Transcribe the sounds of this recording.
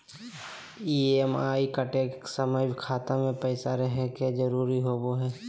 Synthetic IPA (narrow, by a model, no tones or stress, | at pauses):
iemaːikaʈeːksəməjkʰaːt̪ãmẽpɛːsaɾɛɦeked͡ʒəɾuːɾiɦoːboɦɛː